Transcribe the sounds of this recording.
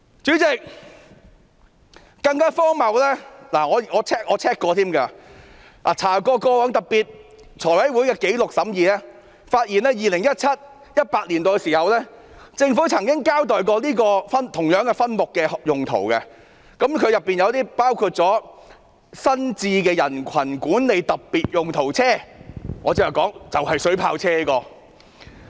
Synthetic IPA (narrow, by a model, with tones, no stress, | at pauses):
t͡syː˨˥t͡sɪ˨k̚ | kɐ˧ŋkaː˥fɔː˥ŋmɐ˨wlɛː˥laː˨˩ŋɔː˨˧ŋɔː˨˧t͡sʰɛː˥k̚ʔɔː˨˧t͡sʰɛː˥kːɔː˧t̪ʰiː˥mɡa˧ | laː˨˩t͡sʰaː˨˩kɔː˧kɔː˧wœː˨˥ŋt̪ɐ˨˩k̚piː˨t̚ | t͡ʃʰɔː˨˩jwɐ˨˥jwu˨˥jkɛː˧ke˨˥jlʊ˨k̚sɐ˨˥mjiː˨˧lɛː˥ | faː˧t̚jiː˨˩nɛː˥jiː˨lɪ˨˩ŋjɐ˥t̚t͡sʰɐ˥t̚ | jɐ˥t̚paː˧li˨˩nt̪o˨˧siː˨˩hɐ˨wlɛː˥ | t͡sɪ˧ŋfuː˨˥t͡sʰɐ˨˩ŋkɪ˥ŋkaː˥wt̪ɔː˨jk̬ɔː˧liː˥kɔː˧fɐ˥nt̪ʰʊ˨˩ŋjœː˨˥ŋkɛ˧fɐ˥nmʊ˨kːɛː˧jʊ˨ŋt̪ʰo̰˨˩wkɛ˧ | kɐ˨˥mkʰɵ˨˧ɥjɐ˨pːiː˨njɐ˧wt̪iː˥paː˥wkʰuː˧t̚t͡sɔː˨˥ | sɐ˥nt͡siː˧kɛː˧jɐ˨˩nkʰɐ˨˩nkuː˨˥nle˨˧jt̪ɐ˨p̚piː˨t̚jʊ˨ŋt̪ʰo˨˩wt͡sʰɛː˥ŋɔː˨˧t͡se˧˥ɐ˨˩kɔː˨˥ŋt͡sɐ˨whɐ˨jsɵ˨˥ɥpʰa̰ː˧wt͡sʰɛː˥liː˥kɔː˧